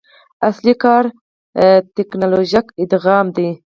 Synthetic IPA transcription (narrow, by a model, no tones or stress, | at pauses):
aslikɑɾ | t̪eknɑloʒakɪd̪ɣɑmd̪e